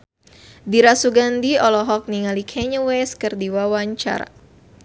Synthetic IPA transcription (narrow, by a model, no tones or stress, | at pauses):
diɾasuɡandiɔlɔɦɔk̚niŋalikʰɛɲəwɛskɨrdiwawaɲt͡ʃa̰ɾa̰